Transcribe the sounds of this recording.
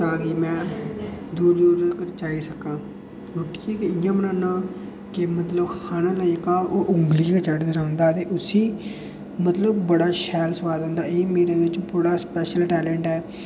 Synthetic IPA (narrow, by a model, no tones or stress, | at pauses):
aːɡiːmɛ̃ː | d̪uːɾd̪uːɾkəɾt͡ʃaːiːsəkãː | ɾʊʈːikekeɪjãːmənãːnãː | kɪmət̪ləbkʰaːnãːləikaːoːʔʊŋɡliːkət͡ʃəʈd̪ɪɾãːnd̪aːt̪eːʔʊsiː | mət̪ləbːəɽaːʃɛːlsəʋaːd̪õːnd̪aːeːmeːɾeːd̪eɪt͡ʃpuːɽaːspɛːʃəlʈɛːlɛ̃ːɳʈɦɛː